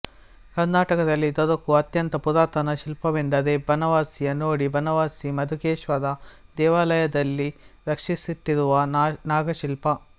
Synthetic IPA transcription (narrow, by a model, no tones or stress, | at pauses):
kɐɾnaːʈɐkɐd̪ɐlːid̪ɔd̪ɐkuɐt̪jɐnt̪ɐpud̪aːt̪ɐnɐʃilpɐʋend̪ɐd̪ebʱɐnɐʋaːsijɐnoːɽibʱɐnɐʋaːsimɐd̪ʱukeːʃʋɐd̪ɐd̪ɛːʋaːlɐjɐd̪ɐlːiɾɐkʂisiʈːiɾuʋɐnaːɡɐʃilpɐ